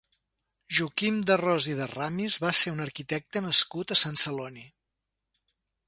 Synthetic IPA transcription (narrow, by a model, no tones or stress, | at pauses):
ʒukimd̪ərɔziðəramizβaseunəɾkit̪ɛk̚t̪ənəskut̪əsansəloni